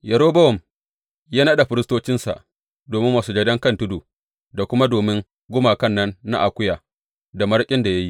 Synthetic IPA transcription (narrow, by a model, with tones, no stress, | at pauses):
jɐ˨ɾoː˦bɐ˦wɔ˨m | jaː˦na˦ɗa˨ɸɪ˦ɾɪ˦stoː˦t͡ʃɪ˦nsa̰˨ʔ | doː˨mɪ˦mːaː˨suː˦d͡ʒɐ˨dɐ˦ŋkɐ˦ntʊ˦duː˨ | da˨kʷʊ˦ma˦doː˨mɪ˦ŋ | ɡʷʊ˦maː˨kɐ˦˨nːɐ˦nːa̰˦ʔa˨kʷʊ˦jaː˨ | da˨mɐ˦ɽkʲʼɪ˦nda˨ja˦ji˦ʔ